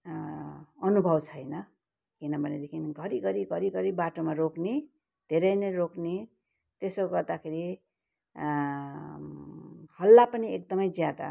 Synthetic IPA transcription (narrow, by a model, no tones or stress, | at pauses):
ʌnubʱʌbt͡sʰʌjnʌ | kinʌbʱʌned̪ekʰinɡʱʌɾiɡʱʌɾiɡʱʌɾiɡʱʌɾibaʈomaɾokne | d̪ʱeɾʌjnʌɾokne | t̪esʌɡʌrd̪akʰeɾi | hʌlːapʌniekd̪ʌmʌjd͡zjad̪a̰